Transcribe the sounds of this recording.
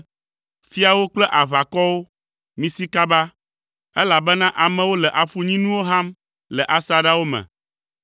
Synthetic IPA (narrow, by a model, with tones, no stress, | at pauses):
fi˦a˨wo˦k͡plɛ˦ʔa˨βa˨kɔ˦wo˦ | mĩ˦si˦ka˦ba˦ | ɛ˦la˨bɛ˦nã˦ʔa˨mɛ̃˨wo˦lɛ˨ʔa˨fu˨ɲĩ˦nũ˦wo˦ɦa˦m | lɛ˨ʔa˦sa˨ɖa˦wo˦mɛ̰̃˨